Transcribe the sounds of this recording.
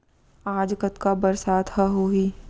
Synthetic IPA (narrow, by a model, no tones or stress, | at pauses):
aːd͡ʒkət̪kabəɾsaːt̪həɦoːɦiː